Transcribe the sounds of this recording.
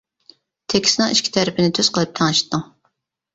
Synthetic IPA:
t̪ʰekʲi̥snɨŋiʃkʲi̥t̪ʰæɾɪpʰɪnɪt̪ʰøz̥qʰəlˠɨp̚t̪ʰɑŋɨʃt̪ʰːɨŋ

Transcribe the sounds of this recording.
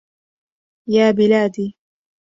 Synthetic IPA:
jaːbɪlaːd̪iː

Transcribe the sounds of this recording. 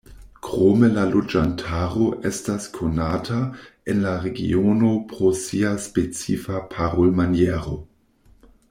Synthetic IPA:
kʁomelalod͡ʒantʰaːʁoʔestaskʰonaːtʰaenlaʁeɡḭonopʁosiaspet͡sḭfapʰaʁolmanjeʁo

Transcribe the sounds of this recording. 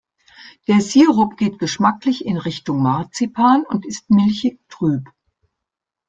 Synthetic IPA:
d̥eːɐziːʁʊpɡ̥eːtɡ̥əʃmaklɪçɪnʁɪçtʊŋmaɐt͡sipʰaːnʊntɪst̚mɪlçɪç̚tʁ̥yːp

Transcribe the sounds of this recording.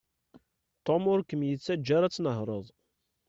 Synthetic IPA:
t̪omʊɾkəmjət͡sːæd͡ʒːaɾæt͡sːnəɦɾˤəðˤ

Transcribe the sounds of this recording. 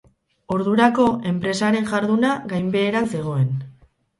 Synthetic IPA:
o̞ɾðuɾako̞e̞mpɾe̞saɾe̞ŋʝaɾðunaɣajmbe̞ːɾase̞ɣ̞o̞e̞n

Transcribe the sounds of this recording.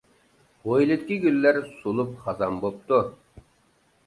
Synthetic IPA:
ojlʲˠit̪̚kʲiɡʲylːæɾsulˠup̚χɑzɑmbop̚t̪u

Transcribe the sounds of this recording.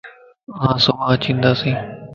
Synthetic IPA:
ɦãːsomãːt͡ʃĩːnd̪aːsĩː

